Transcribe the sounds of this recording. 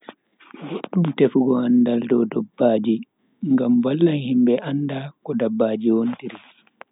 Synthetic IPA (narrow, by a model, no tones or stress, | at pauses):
ɡoɗːumtefuɡɔandaldɔdɔbːaːd͡ʒi | ŋɡamwalːanhimbɛʔandakɔdabːaːd͡ʒiwontiɾi